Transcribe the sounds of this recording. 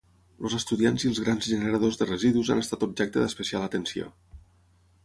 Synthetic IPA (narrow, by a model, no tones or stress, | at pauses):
lozəst̪uðianziəlˠzɣɾanzʒənəɾəðozðərəziðuza̰nəst̪at̪ub̚ʒɛk̚t̪əðəspəsialət̪ənsio̰